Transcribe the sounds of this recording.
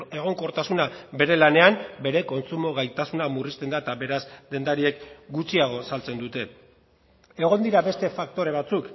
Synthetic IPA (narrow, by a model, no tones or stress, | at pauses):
e̞ɣ̞o̞ŋko̞ɾt̪asunabe̞ɾe̞lane̞ambe̞ɾe̞ko̞nt͡sumo̞ɣajt̪asunamurist̪e̞nd̪aet̪aβe̞ɾazd̪e̞nd̪aɾie̞kɡut͡siaɣ̞o̞salt͡se̞nd̪ut̪e̞ | e̞ɣ̞o̞nd̪iɾaβe̞st̪e̞fakt̪o̞ɾe̞β̞at͡suk